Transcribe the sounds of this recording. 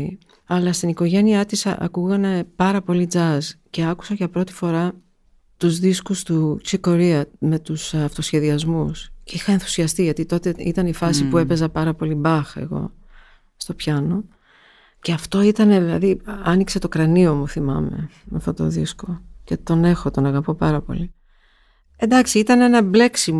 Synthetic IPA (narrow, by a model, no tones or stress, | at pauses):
ɐlɐst̪iniko̞ʝe̞niɐt̪isɐʔɐ̰kuɣɐne̞pɐɾɐpo̞lid͡zɐzce̞ɐku̥sɐʝɐpɾo̞t̪i̥fo̞ɾɐ | t̪uzðiskust̪ut͡siko̞ɾiɐme̞t̪usɐft̪o̞sçe̞ðiɐzmusceixɐenθu̥siɐst̪iʝɐt̪it̪o̞t̪eḭt̪ɐnifɐsipue̞pe̞zɐpɐɾɐpo̞libɐxḛɣo̞̰ | st̪o̞pçɐno̞ | ceɐft̪o̞it̪ɐne̞ðilɐðiɐnikse̞t̪okɾɐnio̞muθimɐ̰me̞̰meɐft̪ot̪o̞̰ðisko̞ce̞t̪o̞ne̞xot̪o̞nɐɣɐpo̞pɐɾɐpo̞̰li | e̞nd̪ɐksiit̪ɐne̞nɐble̞ksim